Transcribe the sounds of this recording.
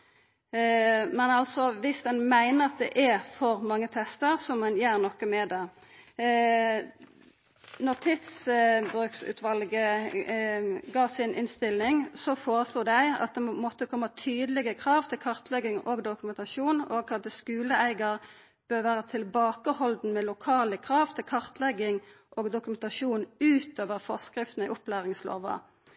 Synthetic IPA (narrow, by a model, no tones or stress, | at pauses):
mɛnɑlt̪sɔʋɪsd̪ɛnmæɪnəʁɑt̪̚d̪ɛ̰ʔæfɔɾmɑŋːət̪ʰɛst̪əʁsɔmːɑnjæːʁnɔkːəmɛd̪ɑː | nɔʁt̪ʰɪt̪sbʁʉːksʉ̰ːt̪ʰʋɑlɡə | ɡɑːsɪnʔɪ̰nst̪ɪlːɪŋsɔfoːʁəsluːd̪æɪɑ̰t̪̚d̪ɛmɔt̪ːəkʰɔmːɑt̪ʰyːd̪əlɪɡəkʰʁɑːʋt̪ʰɪlkʰɑʁt̪ʰlɛɡɪŋoːɡd̪ʊkʉmɛnt̪ɑʃuːnoɡkʰɑd̪əskʉːləæɪɡəʁ | b̥øːʁʋæːʁət̪ʰɪlbɑːkəhɔld̪n̩mɛlʊkʰɑːləkʰʁɑːʋt̪ʰɪlkʰɑʁt̪ʰlɛɡɪŋ | ʔoːɡd̪ʊkʉmɛnt̪ɑʃuːnʉːt̪oːʋəʁfɔʁskʁɪft̪n̩ɪʔʊplæːʁɪŋslo̰ːʋə̰